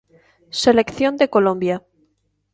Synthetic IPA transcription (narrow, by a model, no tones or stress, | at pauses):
se̞le̞kθjo̞nd̪eko̞lõmbja